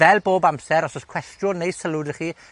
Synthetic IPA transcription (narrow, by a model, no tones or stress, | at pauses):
ɛlˠboːbamsɛɾɔsɔskʰw̥ɛstjʊnejsəlˠʊdəχiː